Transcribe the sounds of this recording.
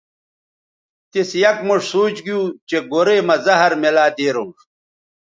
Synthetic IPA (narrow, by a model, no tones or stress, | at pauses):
t̪isjɐk̚muʂsuːt͡ɕɡiuːt͡ɕeɡoɾeːmɐzɐɦɐɾmelaːd̪eːɾumʂ